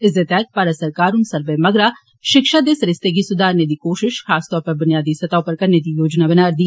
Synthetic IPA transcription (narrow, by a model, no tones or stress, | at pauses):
ɪsd̪et̪ɛt̪̚paːɾəsɐɾkaːɾʊnsɐɾʋemɐɡɾa | ʃɪkʃad̪eːsɾɪst̪ek̬isʊd̪ʱaːɾned̪ikoːʃɪʃxaːst̪ɔːɾpɐɾbʊnijaːd̪isɐt̪aːopɐɾkɐɾned̪ijoːd͡ʒnabɐnaːɾd̪iː